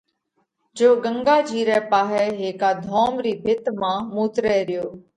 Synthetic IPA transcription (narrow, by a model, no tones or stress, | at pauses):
d͡ʒoːɡəŋɡaːd͡ʒʱiːɾɛːpaːɦɛːɦeːkaːd̪ʱɔːmɾiːbʱɪt̪mãːmuːt̪ɾɛːɾɪjoː